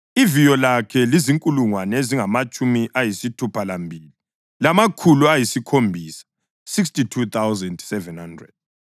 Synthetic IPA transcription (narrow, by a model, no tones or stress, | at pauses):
ivijɔlakʰɛliziŋkʼuluŋwanɛeziŋamat͡ʃʼumiʔajisitʰupʰalambʱiːli | lamakʰuluajisikʰombʱiːsḁ | siks̬titʰut̪awzɛndsɛvɛnhandrɛ̰d̥̚